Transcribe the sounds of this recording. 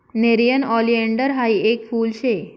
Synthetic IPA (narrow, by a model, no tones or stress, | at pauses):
neɾijənɔliəɳɖəɾɦaiekfult͡ɕʰe